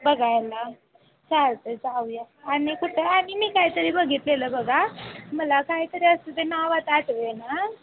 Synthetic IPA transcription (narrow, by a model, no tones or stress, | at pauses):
bəɡajla | t͡ɕaɾt̪əd͡zauja | añikuʈʰeamimiːkaɦit̪əɾibəɡʱiːt̪leləbəɡaməlakaɦit̪əɾiəst̪ut̪enaʋat̪aʈʋena